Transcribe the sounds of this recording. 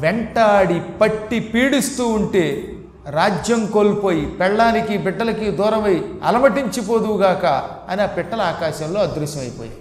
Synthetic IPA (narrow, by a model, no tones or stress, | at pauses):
ʋɛɳʈaːɽipɐʈːipiːɽist̪uːɳʈeː | ɾaːd͡ʒjɐmkoːlpo̞ːjipɛɭɖaːnikibiɖːɐlɐkid̪uːɾɐmɐjɐ̰lɐmɐʈiɲt͡ʃip̬oːd̪uɡaːkɐ | ɐniɐːpɛʈːɐlɐaːkaːʃɐmlo̞ːɐd̪ɾuʃjɐmɐjpoːja